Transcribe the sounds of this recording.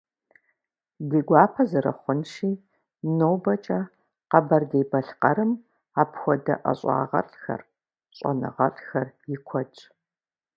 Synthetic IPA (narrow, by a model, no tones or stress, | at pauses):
dɨɡʷɑːpʰɐzɨɾɐ̰χʷʊnʃiː | nowbɐt͡ʃʼɐ | qɐbɐrdejbɐɬqɐɾɨm | aːpxʷɔdɐ̰ʔɐ̰ɕʼɑ̰ːʁɐ̰ɬʼxɐ̰r | ɕʼɔ̰nɨ̰ʁɐɬʼxɐrjɪkʷʰɔt͡ʃʼ